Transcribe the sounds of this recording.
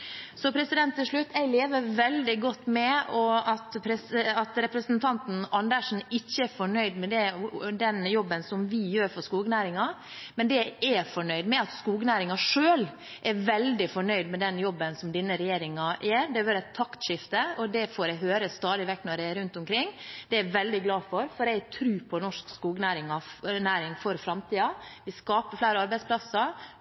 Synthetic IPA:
sɔpʰɾɛsɪd̪ɛnt̪ːɪlʂɭʉt̪ːæɪleːʋəɾʋɛld̪ɪɡɔt̪ːmɛɔɑt̪pʰɾɛsɑt̪ɾɛpɾəsənt̪ʰɑnt̪n̩ɑnd̪əʂn̩ɪçːəæfɔɳœʏd̪mɛd̪ɛd̪ɛnjɔbːənsɔmʋɪjøːɾfɔskuːɡnæːɾɪŋɑ | mɛnd̪ɛɛfɔɳœʏd̪mɛɑt̪skuːɡnæːɾɪŋɑʂøːl | ʔæɾʋɛld̪ɪfɔɳœʏd̪mɛd̪ɛnjɔbːənsɔmd̪ɪnːəɾɛjeːɾɪŋɑʔæɾd̪ɛʋɑɾɛt̪ʰːɑkt̪ʃɪft̪əɔd̪ɛfoːɾɛɦøːɾəst̪ɑːd̪ɪʋɛk̚t̪nɔɖɛɛɾʉnt̪ʊmkʰɾɪŋːd̪̥ɛæɾʋɛld̪ɪɡlɑːfɔɾfɔɾæt̪ʰɾʉːpʰɔnɔʂkskuːɡnæːɾɪŋɑnæːɾɪŋfɔɾfɾɑmt̪ʰiːɑʋɪskɑːpəflæɪɾəɑɾbæɪspʰlɑsə

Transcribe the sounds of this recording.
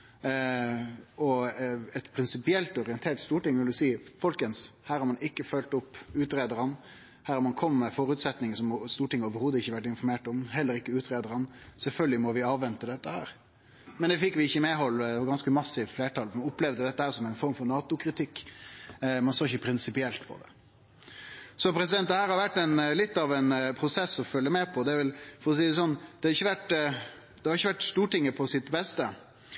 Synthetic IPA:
ɔɛt̪pʰɾɪnsɪpɪɛlt̪ɔɾɪənt̪ʰeːʈ̪st̪uːʈɪŋʋɪld̪ʉsiːfɔlkənshæːɾhɑɾmɑnɪkːəfœlt̪ʊpːʉːt̪ɾeːd̪əɾən | hæːɾɑɾmɑnkʰɔmːmɛfɔɾʉt̪sɛt̪nɪŋəsɔmst̪uːʈɪŋəoːʋəɾhuːd̪əɪçːəʋæʈːɪnfɔɾmeːʈɔmhɛlːəɾɪkːəʉːt̪ɾeːd̪əɾɑnsɛlfœlɡəlɪmɔʋɪɑːʋʋɛnt̪əd̪ɛt̪ːəhæ̰ːɾ | mɛnd̪ɛfɪkʋɪɪçːəmeːɦɔlːɑɡɑnskəmɑsːɪʋfleːʈʰɑːlmɑnʊpːlɛʋd̪əd̪ɛt̪ːəhæːɾsɔmæɪnfɔɾmfɔɾnɑːt̪ʊkʰɾɪt̪ʰɪkː | mɑnsøːɾɪçəpʰɾɪnsɪpɪɛlt̪pʰɔ̰d̪ɛ̰ | sɔpʰɾɛsɪd̪ɛnt̪d̪ɛhæːɾhɑɾʋæʈːɛnlɪt̪ːɑʋɛnpʰɾʊsɛsːɔfœlːəmɛːpʰɔd̪ɛæɾʋɛlfɔɾɔs̬iːd̪ɛs̬ɔnːd̪ɛhɑɾɪçːəʋæʈ | d̪̥ɛhɑɾɪçːəʋæʈst̪uːʈɪŋːəpʰɔsɪt̪bɛst̪ə

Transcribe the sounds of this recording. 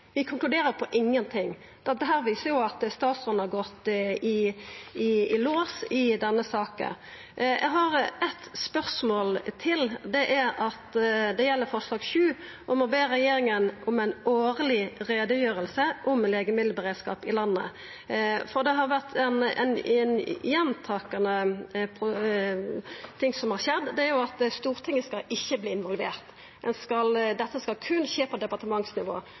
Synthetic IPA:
ʋɪkʰʊŋklʉd̪eːɾəɾpʰɔʔɪŋːənt̪ʰɪŋː | d̪ɛɦæːɾʋiːsəʁjʊɑt̪st̪ɑːt̪sɔnhɑʁɡɔt̪ːɪɪɪloːsɪd̪ɛnːəsɑːkə̰n | jʔæ̰ɡɦɑɾɛt̪spœʁsmoːlt̪ʰɪld̪ɛʔæɾɑt̪d̪ɛjɛlːəɾfɔʁʂlɑːɡʃʉː | ʔɔmɔbeːɾɛjeːɾɪŋənʔʊmæɪnoːʁlɪʁeːd̪əjøːʁəlsəʔʊmleːɡəmɪd̪l̩bəʁeːd̪skɑ̰ːpɪlɑnːə̰ | fɔʁd̪ɛɦɑʁʋæʁt̪ʰɛn̰nnjɛnt̪ʰɑːkɑnəpʰ | t̪ʰɪŋsɔmhɑʁçɛd̪d̪ɛæɾjʊɑt̪st̪uːʁt̪ʰɪŋːəskɑlɪçːəbliːɪnʋɔlʋḛːʁt̪ | ɛnskɑld̪ɛt̪ːəskɑlkʰʉnçeːpʰɔd̪ɛpɑʁʈ̪əmɑŋsnɪʋo̰ː

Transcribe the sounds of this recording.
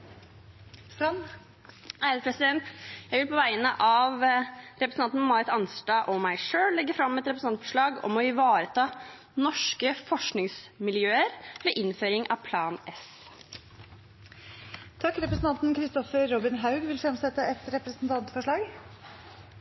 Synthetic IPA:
st̪ɾɑn | hæːɾəpʰɾɛsɪd̪ɛnt̪jæɪʋɪlpʰɔʋæɪənəʔɑʋɾɛpɾəsnɑnn̩mɑɾɪt̪ɑnsɖɑːʔɔmæɪʂøːllɛɡːəfɾɑmːɛt̪ɾɛpɾs̩ɑnt̪fɔʂɭɑːɡɔ̰mɔɪʋɑːɾət̪ʰɑː | nɔʂkəfɔʂknɪŋsmɪljøːəɾʋeːʔɪnføːɾɪŋʔɑ̰ʋpʰlɑːnɛs | t̪ʰɑkːɾɛpɾəsn̩t̪ɑnt̪nkʰɾɪst̪ɔfəɾːɔbɪnɦɑʉɡʋɪlfɾɑmsɛt̪ːəɛt̪ɾɛpɾəsnt̪ʰɑnt̪fɔʂɭɑːɡ

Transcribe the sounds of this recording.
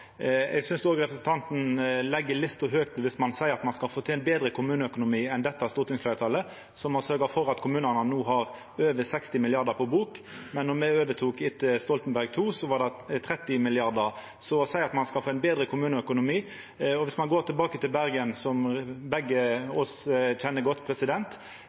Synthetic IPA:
ɛ̰ɡsʏnsd̪oːɡʁɛpɾəsɛnt̪ʰɑnt̪n̩lɛɡːəlɪt̪st̪ɔɦøːkt̪ʋɪsmɑnsæɪəɾɑt̪mɑnskɑlfoːt̪ʰɪɛnbeːd̪ɾəkʰʊmʉːnəœkʊnʊmiːɛnd̪ɛt̪ːɑst̪uːɾt̪ʰɪŋsflæɾt̪ʰɑlːə | sɔmhɑsœɾɡəfɔɾɑt̪kʰʊmʉːnənənuːɦɑʁ | øːʋəsɛkst̪ɪmɪlɪɑʁd̪əpʰɔbuːk | mɛnːɔmɛøːʋət̪ʰuːkɪt̪ːəst̪ɔlt̪nbæɾɡ̚t̪ʰuːsɔʋɑʁd̪ɛt̪ʰʁɾɛt̪ːɪmɪlɪɑʁd̪ə | sɔsæɪɑt̪mɑnskɑlfoːæɛnbeːd̪ɾəkʰʊmʉːnəœkʊnʊmiː | ɔʋɪsmɑnɡoːɾt̪ʰɪlbɑːkət̪ɪlbæɾɡənsɔmbɛɡːəɔsc͡çɛnːəɡɔt̪ːpʰɾɛsɪd̪ɛnt̪

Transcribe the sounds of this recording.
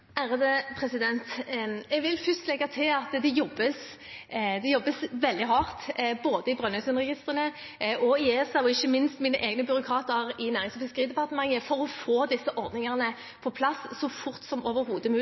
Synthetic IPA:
hæːɾəd̪epʰʁɛsɪd̪ɛnt̪ɛɡʋɪlfʏst̪lɛɡɑt̪ʰɪɑt̪d̪ɛjɔbːəs | d̪ɛjɔbːəsʋɛld̪ɪɦɑːʁt̪boːd̪əɪbʁœnœsʉnʁɛɡɪst̪ʁənə | ʔɔɪeːsɑʋɔɪçːəmɪnst̪miːnə̰ʔeːɡnəbʏɾʊkʰɑːt̪əʁɪnæːʁɪŋslɔfɪskəʁiːd̪ɛpɑʁt̪əmɑŋːəfɔɾɔfoːd̪ɪsːəʔɔɾd̪nɪŋɑʁnə | pʰɔpʰlɑsːɔfʊʁt̪sɔmoːʋəɾhuːd̪əmʉː

